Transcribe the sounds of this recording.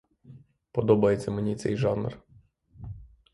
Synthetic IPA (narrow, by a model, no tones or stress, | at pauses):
pɔd̪ɔbɐjet͡sʲːɐmenʲit̪sɛ̰jʒɑnr